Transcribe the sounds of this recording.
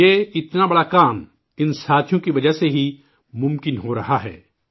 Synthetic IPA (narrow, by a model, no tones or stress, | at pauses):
eːɪt̪nabɐɽakaːm | ɪnsaːt̪ʰijõkiʋɐd͡ʒəɦseɦi | mʊ̃mkɪnɦoːɾɐɦaɦɛ̰ː